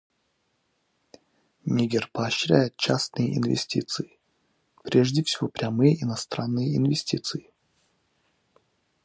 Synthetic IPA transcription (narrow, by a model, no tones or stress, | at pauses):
nʲiɡʲɪrpɐːɕɾʲæjɪt̪̚t͡ɕasnɨjəʔḭnvʲɪ̰sʲtʲḭt̪sɨɪ | pɾʲeʐdʲɪfsʲɪvopɾʲamɨjəʔinɐst̪ɾanːɨjəɪnvʲɪsʲtʲit̪sɨɪ